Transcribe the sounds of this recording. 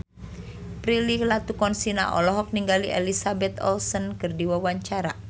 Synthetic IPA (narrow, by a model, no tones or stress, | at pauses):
pɾililat̪ukɔnsina̰ʔɔ̰lɔɦɔk̚niŋɡaliʔɛlisabɛt̪ɔ̰lsɔnkɨrdiwawaɲt͡ʃaɾa